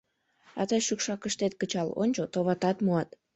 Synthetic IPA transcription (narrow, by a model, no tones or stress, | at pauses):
ɑt̪əjʃykʃɑkəʃt̪et̪̚kət͡ɕɑlo̰nʲt͡ɕot̪oβɑt̪ɑt̪muɑt̪